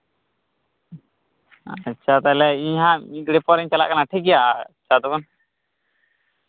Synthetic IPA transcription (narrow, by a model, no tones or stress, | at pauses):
ətːʃʰat̪alɛiɲɦãĩɡɽepɔɾɛɲt͡ʃala̰ʔkənaʈʰiɡɪjat͡ʃʰad̪ɔbən